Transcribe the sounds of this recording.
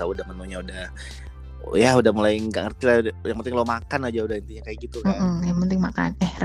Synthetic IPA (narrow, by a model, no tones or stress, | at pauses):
t̪audahmənuɲaudah | jaudahmulaɪŋɡa̰ʔŋərt̪ilajaŋpənt̪ɪŋlomakanad͡ʒaudahint̪iɲakajaʔɡit̪um̩m̩jaŋpənt̪ɪŋmaka̰nɛ